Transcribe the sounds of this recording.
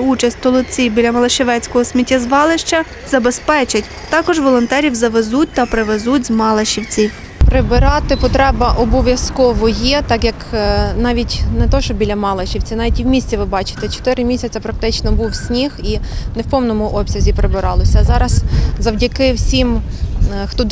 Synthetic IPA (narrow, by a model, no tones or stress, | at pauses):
ut͡ʃɐsʲtʲt̪ɔlˠɔt͡sʲibʲilʲɐmɐlˠɐʃeʋɛt͡sʲkɔɦɔsʲmʲitʲːɐzʋɑlˠɪʃt͡ʃɐ | zɐbespɛt͡ʃɪtʲ | t̪ɑkɔʒʋɔlˠɔnt̪ɛɾʲiwzɐʋezut̚ʲt̪ɐpɾeʋezutʲzmɑlˠeʃiwt͡sʲi | pɾɪbɪɾɑt̪ɪpɔt̪ɾɛbɐʔɔbɔʋʲjɐskɔʋɔjɛt̪ɑkjɐknɑʋʲitʲnɛt̪ɔʃɔbʲilʲɐmɑlˠɐʃʲiwt͡sʲinɑʋʲitʲiwmʲisʲt͡sʲiʋɪbɑt͡ʃɪ̥t̪ɛt͡ʃɔ̥t̪ɪɾɪmʲisʲɐt͡sʲɐpɾɐk̚t̪ɪt͡ʃnɔbuwsʲnʲixinewpɔwnɔmʊʔɔbʲsʲɐzʲipɾebɪɾɑlˠɔsʲɐzɑɾɐzzɐwdʲɐkɪwsʲim | xt̪ɔ